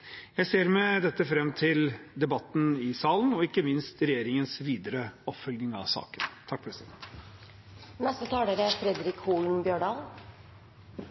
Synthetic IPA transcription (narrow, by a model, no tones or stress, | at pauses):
jæɪseːɾmɛd̪ɛt̪ːəfɾɛmːt̪ʰɪld̪ɛbɑt̪ːn̩ɪsɑːlənɔɪkːəmɪnst̪ɾɛjeːɾɪŋənsʋiːd̪əɾəɔpfœlɡnɪŋɑ̰ʋsɑ̰ːkənt̪ʰɑk̚pʰɾɛsɪd̪ɛnt̪ | nɛst̪ət̪ʰɑːɖəɾəæɾfɾɛd̪ɾɪkhuːln̩bjøːɖɑːl